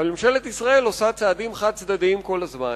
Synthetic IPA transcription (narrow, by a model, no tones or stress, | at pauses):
almimʃelet̪isʁae̞losat͡saːd̪imχad̪̚t͡sd̪ad̪iimko̞lazman